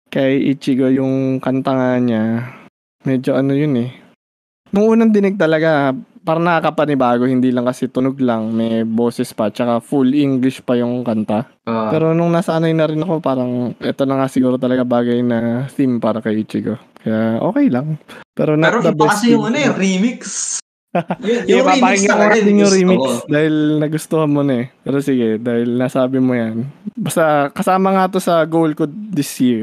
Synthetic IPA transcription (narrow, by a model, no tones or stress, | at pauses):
kɐʔit͡ʃɪɡojʊŋkɐnt̪ɐŋaɲa | mɛːd͡ʒo̞ʔɐnojʊnɛ | nʊŋʔuːnɐŋd̪ɪnɪɡ̚t̪ɐlɐɡapaːɾɐnɐkakɐpɐnɪbaːɡo̞hɪnd̪iːlɐŋkɐsɛt̪ʊnoɡlɐŋmɛjbo̞ːsɪspɐt͡ʃɐkafulʔiŋɡlɪʃpɐjʊŋkɐnt̪a | opɛːɾo̞nʊŋnasanɐjnɐɾɪnɐko̞paːɾɐŋʔɛt̪onɐŋasɪɡuːɾot̪ɐlɐɡabaːɡɐjnɐθimpaːɾɐkɐʔiːt͡ʃɪkokɐjaʔo̞̰ːkɛjlɐŋpɛ̰ːɾonɐɾod̪ɐbɛɐsjʊɐnoɛɾimiks | jɛpapakɪŋɐmonat̪ɪnjʊŋɾimiksd̪aːhɪlnɐɡʊst̪oːhɐnmonɐɛpɛːɾosɪɡɛd̪aːhɪlnɐsaːbɪmojɐnbɐst̪ɐkɐsaːmɐŋat̪o̞sɐɡowlkʊd̪d̪ɪsjiɹ